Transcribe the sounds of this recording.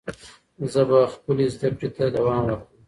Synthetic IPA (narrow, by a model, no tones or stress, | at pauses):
zəbaxpəlizd̪ak̚ʈit̪ad̪awɑːmwaɾkum